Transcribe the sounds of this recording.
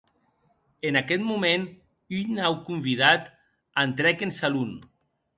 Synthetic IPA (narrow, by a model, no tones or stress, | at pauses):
enakɛt̪mumen | yʎnawkumbið̞at̪ | ant̪ɾɛkensalun